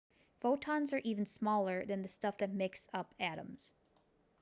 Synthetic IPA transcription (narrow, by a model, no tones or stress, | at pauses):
v̥oʊtʰɑ̃nzə˞ʔiṽn̩smɔlˠə˞ðɨ̃nðɨstʌfðɨt̚mɪksʌpæɾə̰̃mz̥